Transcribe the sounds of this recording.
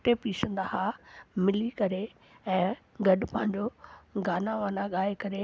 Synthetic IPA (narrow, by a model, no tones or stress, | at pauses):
ʈepiːsə̃nd̪aɦamɪlikɐɾe | ɛ̃ː | ɡɐɗʊpɐ̃ɦɪ̃ɲd͡ʑoɡaːnaʋaːnaɠaːekɐɾe